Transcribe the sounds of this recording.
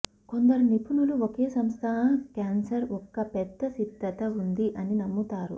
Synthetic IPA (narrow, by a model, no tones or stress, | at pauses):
ko̞nd̪ɐɾunipunuluokeːsɐmst̪ʰɐɦɐkaːnsɐɾɔkːɐpɛd̪ːɐsid̪ʱːɐt̪ɐund̪iʔɐninɐmːut̪aːɾṵ